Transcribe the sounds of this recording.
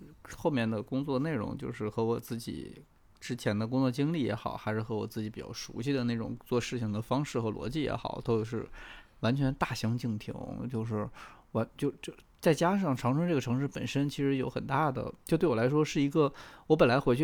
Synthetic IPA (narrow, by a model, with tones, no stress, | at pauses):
xo˥˧mjɛ˥˩nd̪ə˩kʊ˥ŋt͡swɔ˥˧ne˥˩ɪɻʊ̰˧˥ŋt͡ɕjo˥˧ʊʂɻ̩˥˩xɤ˧˥wɔ˨˩t͡sɹ̩˥˩t͡ɕḭ˨˩˦ | ʈ͡ʂɻ̩˥t͡ɕʰjɛ˧˥nd̪ə˧k̬ʊ˥ŋt͡swɔ˥˩t͡ɕi˥ŋli˥˩jɛ̰˧˥xɑ˨˩ʊxa˧˥ɪʂɻ̩˥˩xɤ˧˥wɔ̰˨˩t͡sɹ̩˥˩t͡ɕi˧˥pi˨˩t͡ɕjɑ̰˥˩ʊʂṵ˧˥ɕi˥˩d̪ə˩na˥˩ɪʈ͡ʂʊ̰˨˩ŋt͡swɔ˥˧ʂɻ̩˥˩t͡ɕʰi˩ŋd̪ə˩fɑ˥ŋʂɻ̩˥˩xɤ˧˥lwɔ̰˧˥t͡ɕi˥˩jɛ̰˧˥xɑ̰˨˩˦ʊt̪ʰo˥˧˩ʂɻ̩˥˩wa˧˥nt͡ɕʰɥɛ˧˥nt̪a˥˩ɕɑ˧˥ŋt͡ɕi˥˩ŋpʰḭ˧˥ŋt͡ɕjo˥˧ʊʂɻ̩˥˩wa˧˥nt͡ɕjo˥˧ʊt͡ɕo˥˧ʊ | t͡sa˥˩ɪt͡ɕja˥ʂ̬ɑ˥˩ŋʈ͡ʂʰɑ˧˥ŋʈ͡ʂʰɤ˥ŋʈ͡ʂɤ˥˩ɡə˩ʈ͡ʂʰɤ˧˥ŋʂ̬ɻ̩˥˩pə̰˨˩nʂə˥nt͡ɕʰi˧˥ʂɻ̩˧˥jo˧˥ʊxə˨˩nt̪a˥˩d̪ə̰˩t͡ɕjo˥˧ʊt̪we˥˩wla˧˥ɪʂ̬wɔ˥ʂɻ̩˥˩i˧˥ɡə˧wɔ˧˥p̬ə˨˩nla˧˥ɪxwe˧˥t͡ɕʰy˥˩